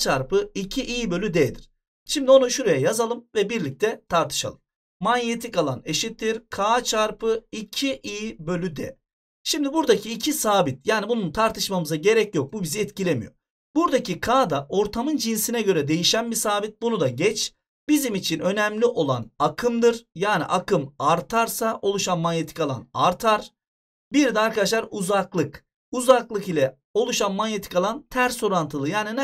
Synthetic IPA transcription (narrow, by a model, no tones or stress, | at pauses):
t͡ʃʰaɾpɯicʰiʔiːbø̞lʲyd̪ɛd̪iɾ̥ | ʃimd̪io̞nuʃuɾajajazalˠɯmvɛbiɾlʲic̚t̪ʰɛt̪ʰaɾt̪ʰɯ̥ʃa̰lˠɯmː | anjet̪ʰikalˠane̞ʃit̪ːiɾkʰaːt͡ʃʰaɾpʰɯicʰiʔijbø̞lʲyd̪ɛ̰ | ʃimd̪ibuɾd̪acʰiːcʰisaːbit̪̚jaːnibununt̪ʰaɾt̪ʰɯʃmamɯzaɟe̞ɾɛcjo̞k̚bubiziɛt̪cilʲemḭjo̞̰ɾ | buɾd̪acʰikʰaːd̪aʔo̞ɾt̪ʰamɯnd͡ʒinsinɛɟø̞ɾɛd̪e̞jiʃænbisaːbit̪̚bunud̪aɟɛt͡ʃʰ | b̥izimit͡ʃʰinø̞nɛmlʲiʔo̞lˠa̰nakʰɯmd̪ɯɾjaːnḭʔakɯmaɾt̪ʰaɾsaʔo̞lˠuʃanmanjet̪ʰi̥kʰalˠa̰naɾt̪ʰaɾ̥ | biɾd̪ɛaɾkad̪aʃlˠaɾuzaklˠɯk | uzaklˠɯkilʲɛ | o̞lˠuʃanmanjet̪ʰi̥kalˠant̪ʰæɾso̞ɾant̪ʰɯlˠɯjaːninɛ